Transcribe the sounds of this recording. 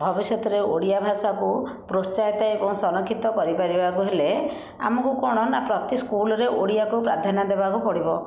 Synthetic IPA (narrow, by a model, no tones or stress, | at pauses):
bʱɔbisjɔt̪ɔɾeoɽijabʱasaku | pɾost͡ʃajt̪aebɔŋsɔnɔkʰːit̪ɔkɔɾipaɾibakuɦele | a̰mɔkukɔɽ̃ɔnapɾɔt̪iskulɔɾeʔo̰ɽijakupɾad̪ʱanad̪ebakupɔɽibɔ